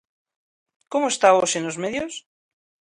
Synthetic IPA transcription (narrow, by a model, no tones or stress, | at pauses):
komoest̪aosenozmeðjos